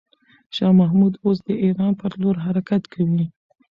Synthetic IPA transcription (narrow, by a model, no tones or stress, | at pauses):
ʃɑmaɦmud̪osd̪əʔiɾɑnpəɾloɾɦaɾakat̪kʰawi